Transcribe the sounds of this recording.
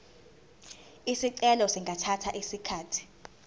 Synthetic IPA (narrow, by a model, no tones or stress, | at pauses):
isiǀɛlɔsiŋɡʱatʰatʰaʔisikʰaːtʰi̥